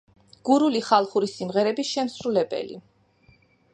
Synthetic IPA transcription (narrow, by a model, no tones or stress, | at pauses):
ɡ̥uɾuliχalˠχuɾisimʁɛɾɛbiʃɛmsɾulɛbɛ̰lḭ